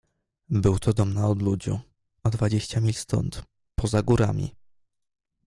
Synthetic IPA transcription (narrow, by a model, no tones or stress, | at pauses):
bɘwt̪ʰɔd̪ɔmnaɔd̪lud͡ʑṵ̃ | ɔd̪vad͡ʑeɕt͡ɕamʲilʲst̪ɔ̰nt̪ | pʰɔzaɡuɾa̰mʲḭ